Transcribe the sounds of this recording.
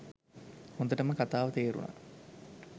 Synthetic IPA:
hond̪əʈəməkat̪aːʋət̪eːɾṵna̰

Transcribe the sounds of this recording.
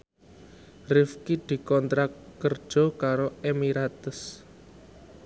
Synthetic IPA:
rɪfkid̪̥i̤kɔnt̪ɾakːər̥d͡ʒʒ̥ɔ̤kaɾoemiɾat̪əs

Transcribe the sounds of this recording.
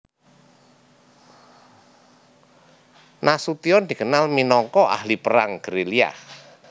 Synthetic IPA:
nasut̪iɔnd̪̥i̤ɡənalminɔŋkɔa̰hlipəɾaŋɡ̥əɾelia̰h

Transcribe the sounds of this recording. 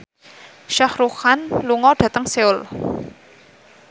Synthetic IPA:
ʃahɾuhanluŋɔɖ̥ä̤t̪əŋseʊl

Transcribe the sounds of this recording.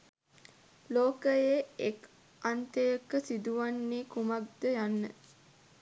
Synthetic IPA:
loːkəjeek | ant̪əjəkəsid̪uʋanːiːkumak̚d̪əjanːə

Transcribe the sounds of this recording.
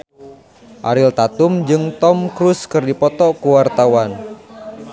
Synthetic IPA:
ʔa̰ɾɪlt̪at̪umd͡ʒɨŋt̪ɔmkɾuskɨrdipɔt̪ɔkuwart̪awan

